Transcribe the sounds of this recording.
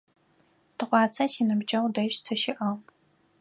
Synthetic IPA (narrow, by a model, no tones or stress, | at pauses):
tʰɨqʷɑːt͡sʰɐsiːnɨbd͡ʒʼɐwdɐʃt͡sʰɨʃɪʔɐ